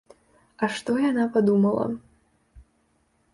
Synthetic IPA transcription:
ɐʂt̪ɔjanapad̪umɐlˠɐ̰

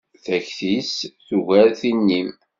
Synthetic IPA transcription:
θæçθisθuʝæɾθinːim

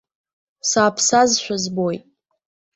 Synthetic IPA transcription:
saːpʰsazʃʷᶣazbo̞jtʼ

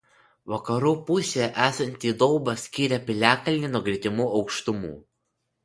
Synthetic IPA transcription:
ʋɐkɐɾuːpʊsʲeʔæːsɐnʲt̪ʲiːd̪ɔʊbɐsʲkʲiːɾʲɛpʲɪlʲæːkɐlʲnʲinʊɡɾʲɪd̪ʲɪmuːʔɒʊkʃt̪ʊmṵː

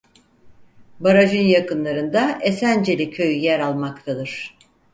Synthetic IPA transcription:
baɾaʒɯnjakɯnlˠaɾɯnd̪aʔesænd͡ʒe̞lʲicʰø̞jyjæɾalˠmakt̪ʰad̪ɯɾ̥

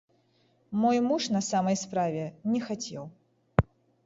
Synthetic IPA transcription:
mɔjmuʂnɐsamɐjspɾavʲɛnʲɛxat͡sʲɛ̰w

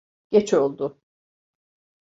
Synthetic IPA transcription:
ɟ̥et͡ʃʰo̞lˠd̪ʊ

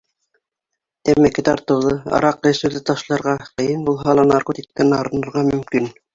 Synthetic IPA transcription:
t̪æmækɘt̪ɑ̰ɾt̪ɤ̆wðɤɑ̰ɾɑqːɘ̆sɘ̆wðɘt̪ɑʃlˠɑɾʁɑqɤ̆jɤnbulˠɦɑlˠɑnɑrqot̪ʲik̚t̪ɑnɑɾɤ̆nŏɾʁɑmɵ̆mkin

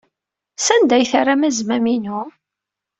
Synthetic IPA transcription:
sænd̪æjθarˤamæzmæminu

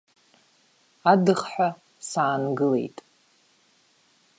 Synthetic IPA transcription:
adɨχħʷᶣa | saːnɡɨle̞̰jtʼ

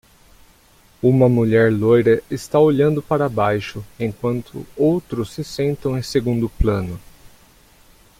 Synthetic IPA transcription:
ũmɐmuʎɛɾlojɾɐɪst̪aoʎɐ̃nd̪ʊpaɾɐbajʃʊẽkwɐ̃nt̪ʰʊ̰owt̪ɾʊsːɪsẽnt̪ɐ̃w̃ẽj̃seɡũnd̪ʊplɐ̃nʊ

